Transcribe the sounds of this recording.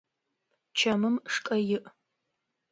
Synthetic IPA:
t͡ʃʰɐmɨmʂkʼɐjɪʔ

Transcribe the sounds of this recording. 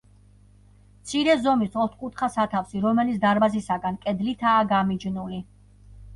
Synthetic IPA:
mt̪sʰiɾɛzɔmisɔt̪ʰkʼut̪ʰχasat̪ʰafsiɾɔmɛlit̪sd̪aɾbazisaɡankʼɛd̪lit̪ʰaːɡamid͡ʒnuli

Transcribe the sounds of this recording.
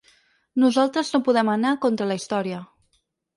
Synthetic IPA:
nuzalˠt̪ɾəznopuðɛmənakont̪ɾələist̪ɔɾiə

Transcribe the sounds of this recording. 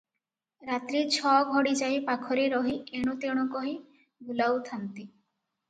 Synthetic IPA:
ɾat̪ɾit͡ʃʰɔɡʱɔɽid͡ʒajpakʰɔɾeɾɔɦieɽ̃ut̪eɽ̃ɔkɔɦi | bʱulawt̪ʰant̪i

